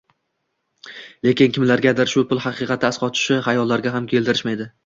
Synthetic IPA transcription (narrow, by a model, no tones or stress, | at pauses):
le̞kʲɪnkʲʰɪmlaɾɡʲad̪aɾʃʊpʊlˠhɑqʰɨqʰɑt̪ʰɪːsqɒt̪ʰɪ̥ʃɪhajɒlːaɾɡʲaɦamkʲʰe̞ld̪ɪɾɪʃmajd̪ɪ